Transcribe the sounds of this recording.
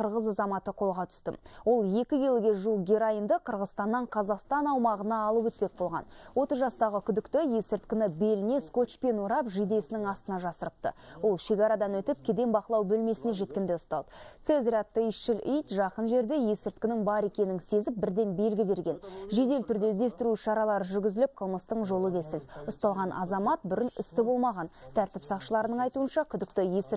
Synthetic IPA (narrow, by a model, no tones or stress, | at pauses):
qəɾʁəzɑzɑmɑt̪əqʰo̞lˠʁɑt̪ʰʏ̥st̪ɪ̰mwo̞lˠje̞kʲɪɡʲe̞lɡʲe̞ʒulˠɡʲeɾajənd̪əqʰəɾʁəzst̪ɑnːɑɴqʰɑzɑqst̪ɑnɑwmɑʁənɑːlˠəwɵt̪̚pe̞k̚bo̞lˠʁɑ̰nwo̞t̪əzʒɑst̪ɑʁəkʲʰʏd̪ɪkt̪ɪje̞sɪɾt̪kʲɪnɪbe̞lɪne̞sko̞t͡ʃpe̞noɾɑpʒijd̪e̞sɪnɪŋɑst̪ənɑʒɑsəɾəp̚t̪ə̰wo̞lˠʃe̞kɑɾɑd̪ɑnwɵt̪ɪp̚kʲʰed̪e̞mbɑqəlˠɑwbɵlme̞sɪne̞ʒe̞t̪̚kʲe̞nd̪e̞ʊst̪ɑ̰lˠd̪əsezɾat̪ːəiʃɪlʲijt̪ʒɑqənʒe̞ɾd̪e̞je̞sɪɾt̪̚kʲɪnɪŋbɑɾe̞kʲe̞nɪŋse̞zɪp̚bɪɾd̪e̞nbe̞lɡʲɪbe̞ɾɡʲe̞nʒed̪e̞lt̪ʰʏɾd̪e̞zd̪e̞st̪ɪɾuʃɑɾɑlˠɑɾəʒʏɾɡʲɪzɪlɪp̚qʰəlˠməst̪əɴʒo̞lˠəkʲʰe̞sɪld̪ʊst̪ɑlˠʁɑnʔɑ̰zɑmɑt̪̚bʏɾɪnʏst̪ɪbo̞lˠmɑʁɑnt̪ʰæɾt̪ɪpsɑqʃəlˠɑɾənəɴɑjt̪uənʃɑkʲʰʏd̪ɪkt̪ɪjesɪ